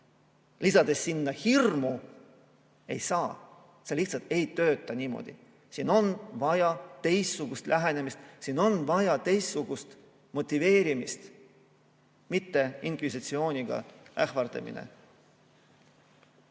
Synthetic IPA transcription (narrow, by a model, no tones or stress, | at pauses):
lisɑd̪̥e̞sːinːɑhirmu | e̞̰jsɑː | seliht̪sɑlt̪e̞jt̪ø̞ːt̪ːˑɑnʲiːmo̞̰d̪̥ḭ | siːno̞nvɑjɑt̪e̞jstːuɡ̥ust̪lʔæɦene̞mist̪sino̞nvɑjɑt̪e̞jsːuɡ̥ust̪ | mo̞t̪ʲːive̞ːɾimist̪ | mit̪ːe̞iŋkvisit̪sio̞ːnʲiɡ̥ɑ̰æhvɑrd̪̥ɑ̰mḭnḛ